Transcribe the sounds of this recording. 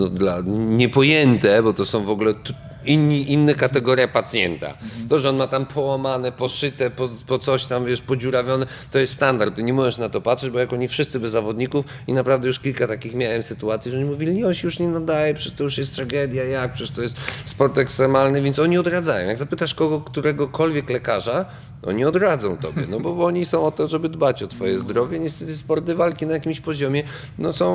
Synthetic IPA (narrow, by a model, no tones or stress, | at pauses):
nɔd̪laɲɛpɔjɛnt̪ɛbɔt̪ɔsɔ̃w̃vɔɡulɛt̪ | inːiʔinːɛkat̪ɛɡɔɾʲjapat̪sʲjɛ̰nt̪a̰t̪ɔʐɛɔnmat̪ampʰɔwamanɛpɔʂɘt̪ɛpɔpɔt̪sɔɕt̪amvʲjɛʂpɔd͡ʑuɾavʲjɔnɛ | t̪ɔjɛst̪st̪and̪aɾt̪t̪ːɪɲɛmɔʐɛʂnat̪ɔpat̪ʂɛd͡ʑbɔjakɔɲifʂɘst̪sɘbɛzːavɔd̪ɲikuf | inapɾavd̪ɛjuʂkʲilkat̪akʲixmʲjawɛmsɘt̪uat̪sʲiʐɛɲimuvʲilʲiɲɔɕɛjuʂɲɛnad̪ajɛpʂɛt̪ɔjuʂjɛst̪t̪ːɾaɡɛd̪ʲjajak̚pʂɛʂt̪ɔjɛst̪spɔɾt̪ɛkst̪ɾɛmalnɘvʲjɛnt̪sɔɲiɔd̪ɾad̪zajɔ̰̃jaɡzapɘt̪aʂkɔɡɔkt̪uɾɛɡɔkʰɔlvʲjɛklɛkaʐa | ɔ̰ɲiɔd̪ɾad̪zɔ̃w̃t̪ɔ̰bʲjɛ̰nɔbɔɔɲisɔ̃w̃ɔt̪ɔʐɛbɘd̪bat͡ɕɔt̪fɔjɛzd̪ɾɔvʲjɛɲɛst̪ɛt̪ɘspɔɾt̪ɨvalkʲinajakʲimɕpɔʑɔmʲjɛ | nɔsɔ̃w̃